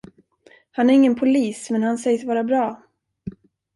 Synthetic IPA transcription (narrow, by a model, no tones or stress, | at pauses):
hanæɾɪŋːənpʰʊliːsmɛnhansɛjsvɑːɾabɾɑː